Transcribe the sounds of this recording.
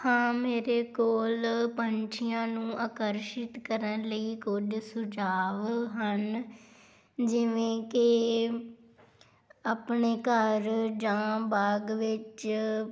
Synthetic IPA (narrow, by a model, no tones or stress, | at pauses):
hãːmeːɾeːkoːlpənt͡ʃʰɪjãːnũːʔaːkəɾʃɪt̪kəɾənləiːkʊd͡ʒsʊd͡ʒaːʋɦən | d͡ʒɪʋẽːkɪ | aːpɳeːkəɾd͡ʒãːbaːɡʋɪt͡ʃ